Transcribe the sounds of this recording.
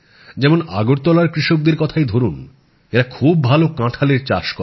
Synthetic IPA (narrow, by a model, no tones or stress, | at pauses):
d͡ʑɛmonaɡoɾt̪ɔlaɾkɾiʃok̚d̪eɾkɔt̪ʰajd̪ʱoɾun | eɾakʰubbʱalokãʈʰaleɾt͡ɕaʃkɔ